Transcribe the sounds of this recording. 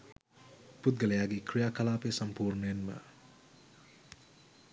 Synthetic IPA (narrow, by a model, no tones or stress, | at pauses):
put̪̚ɡɐlɐjaːɡikɾijakɐlaːpesɐmpuːɾnjenmɐ̰